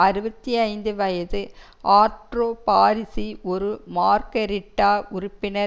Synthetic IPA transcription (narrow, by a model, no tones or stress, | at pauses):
ɐɾɯbɐt̪ːiɐɪnd̪ɯʋɐjɐðɯ | ʔaːʈɾoːpaːɾɪsiʔɔɾɯmaːɾkɐɾɪʈːaːʔʊɾʊpːɪnɐ